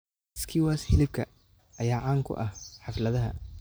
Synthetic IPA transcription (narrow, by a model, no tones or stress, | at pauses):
skʰiwaːshɪlɪb̚kʰɐ | ʔɐjaːʕaːŋkʰʊ̰ʔɐhħɑflɐðɐɦɐ̰